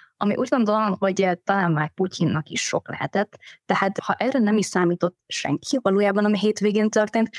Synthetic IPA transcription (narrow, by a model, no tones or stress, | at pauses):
ʔɒmḭʔuːɟɡo̞nd̪olomhoɟt̪ɒlaːnmaːkpucʰinːɒkḭʃʃo̞̰klɛ̰ɦɛt̪ɛt̪ːɛhaːt̪hɒʔɛrɛnɛmiʃsaːmiːt̪o̞t̪ːʃɛ̰ŋkʰiʋɒloːjaːbɒnɒmiɦeːt̪ʋeːɡeːnt̪ørt̪eːnt̪